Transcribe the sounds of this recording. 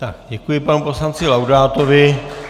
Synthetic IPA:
t̪akɟɛkujɪpanupo̞slant͡sɪlawdaːt̪o̞vɪ

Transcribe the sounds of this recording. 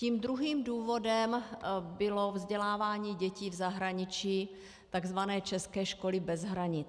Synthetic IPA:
iːmd̪ɾuɦiːmduːvo̞dɛmbɪlovzɟɛlaːvaːɲiːɟɛciːvzaɦɾaɲɪt͡ʃiː | t̪aɡzvanɛːt͡ʃɛskɛːʃkolɪbɛzɦɾaɲɪt͡s

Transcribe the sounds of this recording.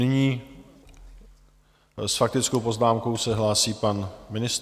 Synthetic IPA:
nɪɲiː | sfak̚t̪ɪt͡skowpo̞znaːmkowsɛɦlaːsiːpanmɪnɪst̪

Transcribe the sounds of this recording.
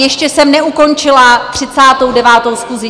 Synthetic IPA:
jɛʃcɛsɛmnɛuko̞nt͡ʃɪlat̪r̝̥ɪt͡saːt̪o̞wdɛvaːt̪o̞wskuzɪ

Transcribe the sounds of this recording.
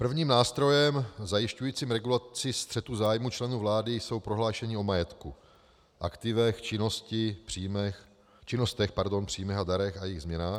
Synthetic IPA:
pr̩vɲiːmnaːst̪ɾo̞jɛmzajɪʃcujiːt͡siːmɾɛɡulat͡sɪst̪r̝̥ɛt̪uzaːjmut͡ʃlɛnuːvlaːdɪjso̞wpɾo̞ɦlaːʃɛɲɪo̞majɛt̪ku | ʔakt̪ɪvɛxt͡ʃɪnoscɪpr̥iːmɛx | t͡ʃɪnost̪ɛxpaɾdo̞npr̥iːmɛxadaɾɛxajɪɣzmɲɛnaːx

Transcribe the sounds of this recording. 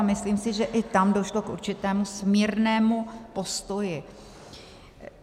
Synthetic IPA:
mɪsliːmsɪʒɛʔɪt̪amdo̞ʃlo̞kʔṵɾt͡ʃɪt̪ɛːmusmirnɛːmupo̞st̪o̞jɪ

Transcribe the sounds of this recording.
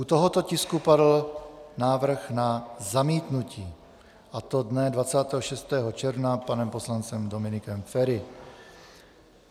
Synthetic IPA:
ʔut̪o̞ɦo̞t̪o̞cɪskupadl̩naːvr̩xnazamiːt̪nuciː | ʔat̪o̞dnɛdvat͡saːt̪ɛːɦoʃɛst̪ɛːɦot͡ʃɛɾvnapanɛmpo̞slant͡sɛmdo̞mɪnɪkɛmfɛɾɪ

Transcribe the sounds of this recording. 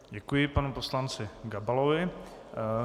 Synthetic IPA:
ɟɛkujɪpanuposlant͡sɪɡabalovɪ

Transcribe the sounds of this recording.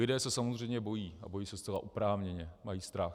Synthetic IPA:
lɪdɛːsɛsamozr̝ɛjmɲɛbo̞jiːa̰bo̞jiːsɛst͡sɛla̰ʔupɾaːvɲɛɲɛmajiːst̪ɾax

